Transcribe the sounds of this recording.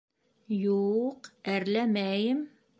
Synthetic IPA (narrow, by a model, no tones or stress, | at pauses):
juqæɾlæmæjɘm